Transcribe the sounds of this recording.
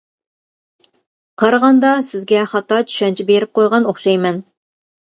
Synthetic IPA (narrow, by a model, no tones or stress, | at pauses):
qʰɑɾʁɑnd̪ɑsɪzɡʲɛχɑt̪ːɑt͡ʃʰy̥ʃɛnt͡ʃʰɪbeɾɪp̚qojʁɑnoχʃɑjmɛn